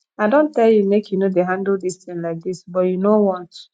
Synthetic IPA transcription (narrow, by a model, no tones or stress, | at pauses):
aɪdõntɛljumekjunodeɦãndl̩distĩnlaɪk̚disbɔtjunowɔ̃nt